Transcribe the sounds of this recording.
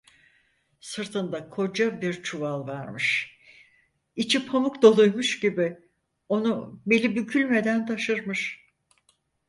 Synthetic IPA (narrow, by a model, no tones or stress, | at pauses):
sɯɾt̪ʰɯnd̪akʰo̞d͡ʒabiɾt͡ʃʰuvalˠvaɾmɯʃ | it͡ʃʰipʰamukd̪o̞lˠujmuʃɟibɪ | o̞nube̞lʲibycʰylʲme̞d̪ænt̪ʰaʃɯɾmɯʃ